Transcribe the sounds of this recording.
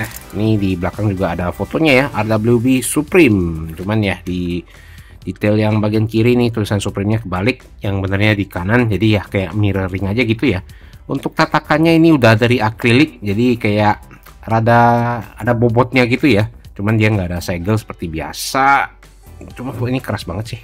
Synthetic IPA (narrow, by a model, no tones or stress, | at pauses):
nahinidibəlakaŋd͡ʒuɡaːdafot̪oɲajaʔardabliubisupɾɪmt͡ʃumanjahdi | dit̪ɛljaŋbaɡiankiɾiniht̪ulisansupɾɪmɲakəbalɪk̚ | jaŋbənərɲadikanand͡ʒadijahkajaʔmiɾəɾɪŋad͡ʒaɡit̪uja | unt̪ʊk̚t̪at̪akanɲainiudahdaɾiaklilɪk̚d͡ʒadikajaʔ | radaːdabobɔt̪̚ɲaɡit̪ujat͡ʃumandiaŋɡaːdasaɡəlsə̥pərt̪ibia̰sa | t͡ʃumanfot̪oinikəɾasbaŋət̪sɪh